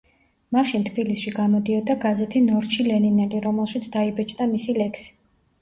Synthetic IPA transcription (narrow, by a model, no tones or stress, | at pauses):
maʃint̪ʰbilisʃiɡamɔd̪iɔd̪aɡazɛt̪ʰinɔɾt͡ʃʰilɛninɛliɾɔmɛlˠʃit̪sʰd̪aibɛt͡ʃʰʼd̪amisilɛkʰsi̥